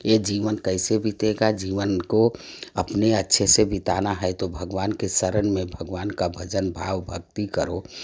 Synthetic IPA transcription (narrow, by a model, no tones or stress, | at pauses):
ed͡ʒiʋənkəɪsebʱit̪eɡad͡ʒiːʋənko | əpneətːʃʰesebit̪anaɦɛɛt̪obʱəɡʋaːnkesəɾənmẽbʱəɡʋaːnkabʱəd͡ʒənbʱaːʋbʱəɡt̪ikəɾo